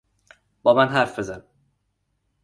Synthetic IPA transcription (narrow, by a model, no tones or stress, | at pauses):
b̥ɒːmænɦæɾfbezæn